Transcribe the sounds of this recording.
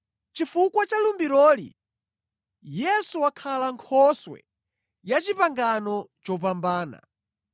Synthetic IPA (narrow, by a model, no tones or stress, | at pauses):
t͡ʃifukwat͡ʃalumbiɾɔːlḭ | jɛsuwakʰalaŋkʰɔswɛ̰ | jat͡ʃipaŋɡanɔt͡ʃɔp̬ambaːna̰